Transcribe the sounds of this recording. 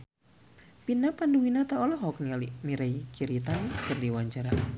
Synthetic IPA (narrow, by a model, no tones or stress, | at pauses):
pinapanduwinat̪aɔlɔɦɔknilimiɾajkiɾit̪ankɨrdiwaɲd͡ʒaɾa